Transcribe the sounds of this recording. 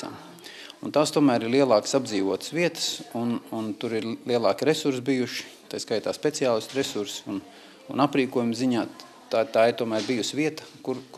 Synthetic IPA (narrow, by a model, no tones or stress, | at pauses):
a̰m | unt̪aːst̪uɔmæːɾiɾlˠiɛlˠɑːksabd̪ziːʋuɔt̪əsviɛt̪ə̥sununt̪uɾiɾlˠiɛlˠɑːkʲɾesuɾs̬bijuʃi̥t̪ajskajt̪aːspʲet̪siaːlˠisʲt̪ɾesuɾsun | unapɾiːkuɔjumziɲaː | t̪at̪aːɪɾt̪uɔmæːɾbijusviɛt̪ə̥kuɾk